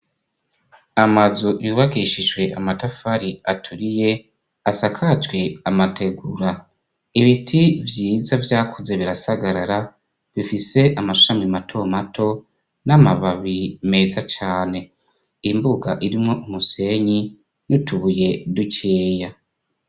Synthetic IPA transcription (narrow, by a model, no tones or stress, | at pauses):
amazujuβaɡiʃiʒwe̞ʔamatafaɾiatʰuɾije̞ | asakʰat͡ʃwe̞amate̞ɡuɾa | iβitʰivjiːzavjaːkʰuze̞βiɾasaɡaɾaɾa | βifise̞ʔamḁʃamimatʰo̞mato̞ | namaβaβime̞zat͡ʃaːne̞ | imbuɡaʔiɾimŋo̞ʔumuse̞ɲi | jutʰuβuje̞duceːja